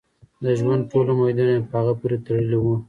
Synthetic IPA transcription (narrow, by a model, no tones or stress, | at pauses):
d̪əʒwand̪̚ʈolamajd̪unapəhaɣapuɾet̪aɽəliwu